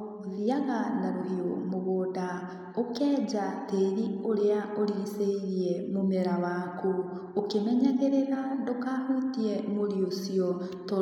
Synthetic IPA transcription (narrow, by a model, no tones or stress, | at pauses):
ðiaɣanaɾoɦiomoɣoːda | okɛːɟateiɾioɾeaoɾiɾiseiɾiɛmomeɾawaku | okemɛɲaɣeɾeɾadokahutiɛmoɾiosiɔ | to